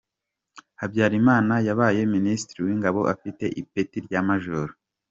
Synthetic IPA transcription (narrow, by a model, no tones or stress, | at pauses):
habɟaːɾimaːnajaβaːje̞ministɾiwiːŋɡaβo̞ʔafite̞ʔipetiɾɟamaʒoɾo